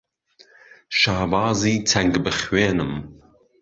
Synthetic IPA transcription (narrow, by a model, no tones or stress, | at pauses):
ʃaːbɑːziːt͡sʰæŋɡbɨχweːnɨm